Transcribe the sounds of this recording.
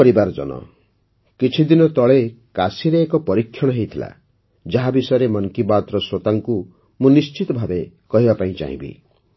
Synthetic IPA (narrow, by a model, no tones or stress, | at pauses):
ɔɾibaɾɔd͡ʒɔ̰nɔ̰ | kit͡ʃʰid̪inɔt̪ɔɭekasiɾeːkɔpɔɾikʰːjɔɽ̃ɔɦejt̪ʰila̰ | d͡ʒaɦabisɔjɾemɔŋkibat̪ɾɔswot̪aŋku | mũnist͡ʃit̪ɔbʱabekɔɦibapaĩt͡ʃa̰ɦḭ̃bḭ